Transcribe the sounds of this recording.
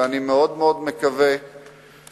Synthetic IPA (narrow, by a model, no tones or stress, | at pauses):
animeod̪meod̪mekave